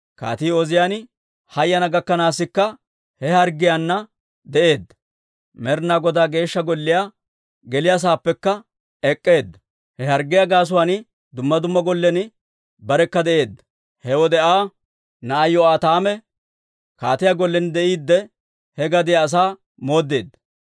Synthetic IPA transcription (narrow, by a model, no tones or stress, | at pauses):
ka̰ːt̪iːɔzɪjaːn | hɐjːɐnɐɡɐkːɐnaːsːɪkːɐ | hɛhɐɾɡɪjanːɐ | d̪ɛʔeːd̪ːɐ | mɛɾnaːɡɔd̪aːɡe̞ːʃːɐɡɔlːɪjaː | ɡɛlɪjas̬aːpːɛkːɐ | ɛkʼːe̞ːd̪ːɐ̥ | hɛhɐɾɡːɪjaɡaːs̬ʊwaːnɪ | d̪ʊmːɐd̪ʊmːɐɡɔlːɛnɪ | bɐɾɛkːɐd̪ɛʔe̞ːd̪ɐ | hɛwɔd̪ɛʔaː | nɐʔːjːɔaːt̪aːmɛ | kaːt̪ɪjaɡɔlːɛnd̪ɛʔiːd̪ːɛ | hɛɡɐd̪ɪjaːs̬aː | mo̞ːd̪ːeːd̪ːɐ